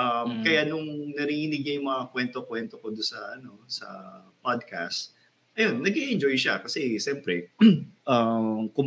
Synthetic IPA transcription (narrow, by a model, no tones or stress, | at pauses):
ʔɐmkɐjanʊŋnɐɾiːhinɪɡ̚ɲɐjʊŋmɐŋakwɛnt̪okwɛnt̪o̞kod̪ʊnsɐʔɐno̞sɐ̰pad̪̚kʰa̰st̪ | ʔɐjo̞nːɐɡiʔɪnd͡ʒo̞jʃakɐsɛʃɛmpɾɛʔɐmkʊm